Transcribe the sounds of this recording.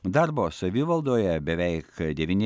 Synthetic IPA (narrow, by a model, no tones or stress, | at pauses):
d̪ɑɾboːsɐʋʲiːʋɐlˠd̪oːjɛbʲɛʋʲɛɪkd̪ʲɛʋʲiːnʲ